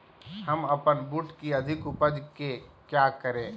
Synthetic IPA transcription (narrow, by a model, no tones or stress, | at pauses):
ɦɐmɐpənbuʈkiɐd̪ʱɪkʊpəd͡ʒkekjaːkəɾẽː